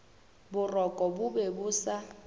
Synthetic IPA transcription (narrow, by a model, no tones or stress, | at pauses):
bʊrɔkʼɔbʊbebʊːsa